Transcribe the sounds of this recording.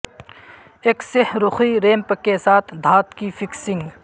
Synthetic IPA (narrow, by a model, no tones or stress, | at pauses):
eːksɪhɾʊxiɾeːmpəkːesaːt̪ʰd̪ʱaːt̪kifʰɪksɪ̃ŋɡ